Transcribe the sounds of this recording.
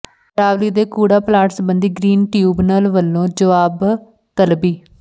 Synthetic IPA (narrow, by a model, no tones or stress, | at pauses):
ɾaːʋliːd̪eːkuːɽaːplaːʈsbənd̪iːɡɾiːnʈjuːbnəːlʋəlːõːd͡ʒəʋaːb | t̪əlbiː